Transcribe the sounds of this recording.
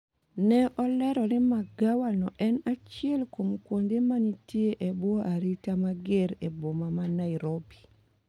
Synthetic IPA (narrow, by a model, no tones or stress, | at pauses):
nɛʔɔlɛɾɔlɪmaɡawanɔʔɛnat͡ʃɪɛlkomkwondemanitjeʔebwɔaɾitamaɡeɾebomamanaɪɾobi